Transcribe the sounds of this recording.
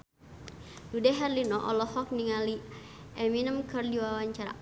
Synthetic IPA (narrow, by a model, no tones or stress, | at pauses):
dudɛɦɛrlinɔʔɔ̰lɔhɔk̚niŋali | ɛminəmkərdiwawaɲt͡ʃaɾa̰